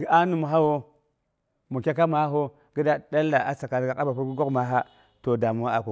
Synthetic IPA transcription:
ɡi˦a˦nu˨mu˨ɦa˦wo˦ | mu˨kʲa˦ka˦ma˦ɦo˦ | ɡi˦da˦da˦lːa˨a˦sa˨ka˨ɾɡa˨ka˦ba˨pu˦ɾɡu˦ɡo˦kma˨˦ɦa˦ | to˨da˨mu˨wa˦a˨ko˨

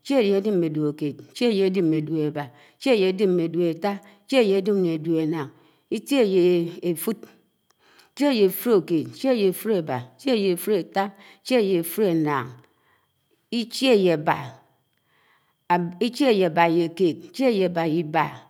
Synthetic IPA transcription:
t͡ʃe˦e˦˨je˨e˨˦di˦mme˨du˨e˨ke˨t̚i˦t͡ʃe˦e˦˨je˨e˦di˦me˨du˨e˨ba˨ | i˦t͡ʃe˦˨je˨e˨˦di˦m˨ne˨du˨e˨ta˦ | t͡ʃe˦e˦˨je˨e˨˦di˦mne˨du˨e˨na˨ŋ | i˦te˦e˨je˨e˨fu˦t̚ | t͡ʃe˦e˦˨je˨e˨fu˦ɾo˨keː˨ti˦t͡ʃe˦e˦˨je˨e˨fu˦ɾe˨ba˨i˦t͡ʃe˦˨je˨e˨fu˦ɾe˨ta˦i˦t͡ʃe˦e˨je˨e˨fu˦ɾe˨naː˨ŋ | i˦t͡ʃe˦˨je˨ba̰˨ | i˦t͡ʃe˦e˦˨je˨a˨ba˨je˨keː˨t̚i˦t͡ʃe˦e˦˨je˨ba˨ji˦ba˨

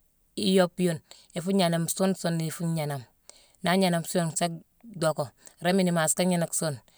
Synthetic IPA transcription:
i˦jo˦pjo˦n | e˨fu˦ɲa˨na˨mso˦nso˦ni˨fu˦ɲa˨na˨m | na˦ɲa˨na˨msu˦o˦˨nsa˦k̚ | do˨ko˨ɾe˦mi˦ni˨ma˨ska˦ɲi˦na˨kso˦n

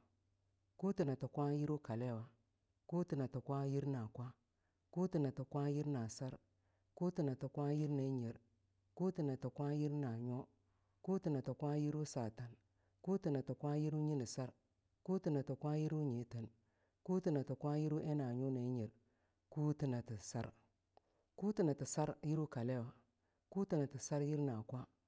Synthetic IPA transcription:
ku˦ti˨na˨ta˨kʷa˦ji˦ɾu˦ka˨le˦˨wa˨ | ku˦ti˨na˨to˨kʷa˦ji˦ɾna˨kʷa˦ | ku˦ti˨na˨to˨kʷa˦ji˦ɾna˨sa˦ɾ | ku˦ti˨na˨to˨kʷa˦ji˦ɾna˨i˦ɲe˨ɾ | ku˦ti˨na˨to˨kʷa˦ji˦ɾna˨ɲo˦ | ku˦ti˨na˨to˨kʷa˦ji˦ɾu˦sa˨ta˨n | ku˦ti˨na˨tu˨kʷa˦ji˦ɾu˦ɲi˦ni˨sa˦ɾ | ku˦ti˨na˨tu˨kʷa˦ji˦ɾu˦ɲe˨tə˨n | ku˦ti˨na˨tu˨kʷa˦ji˦ɾu˦ʔe˦na˨ɲu˦na˨i˦ɲi˨ɾ | ku˦ti˨na˨ti˨sa˦ɾ | ku˦ti˨na˨ti˨sa˦ɾji˦ɾu˦ka˨le˦wa˨ | ku˦ti˨na˨ti˨sa˦ɾji˦ɾna˨kʷa˦

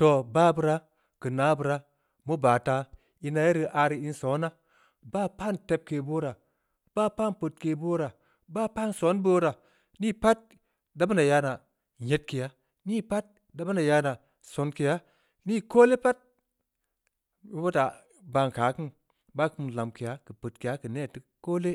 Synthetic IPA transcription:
to˨ba˦bɨ˧ɾa˦ | kɨ˨na˨˦bɨ˨ɾa˦ | mo˦baː˨ta˧ | i˧na˨ja˦ɾi˧ʔa˧ɾi˨i˧nso˨˦na˦ | baː˦pa˦˨nte˧p̚ke˨bo˦ɾa˨ | b̥a˦pa˦npə˨t̚ke˨bo˦ɾa˨ | ba˦pa˦˨nso˨˦nbo˦ɾa˨ | ni˦pa˦t̚ | da˦ba˦na˨ja˧˦na˨ | ɲe˦t̚ki˨ja˨˦ | ni˦pa˦t̚ | da˦ba˦na˨ja˧˦na˨ | so˨nki˨ja˦ | ni˦koː˦le˦pa˦t̚ | mi˦bo˦ta˨ | ba˧nka˨˦kɨ˦n | ba˦kɨ˦m˨la˨mki˨ja˨˦kɨ˨pə˨tki˨ja˦kɨ˨ne˦˨ti˦ko˦le˦

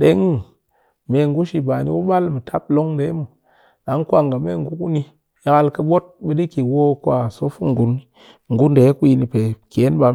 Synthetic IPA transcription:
ɗe˨˦ŋ˦ | me˨ŋɡu˦ʃi˨ba˨nḭ˦wu˦ɓa˦lmə˨tʰa˦p̚lo˦ŋde˨˦mu˨ | ɗa˨˦ŋkʷa˦˨ŋɡa˨me˦˨ŋɡu˦ku˦ni˦ | ja˨ka˦˨lkə˨ɓo˦t̚ɓə˦di˦ki˨wo˦kʷa˨so˦fu˦ŋ˨ɡu˨n˦ | ŋɡu˦nde˨˦ku˦ji˧ni˨pe˨ke˨˦nɓa˨

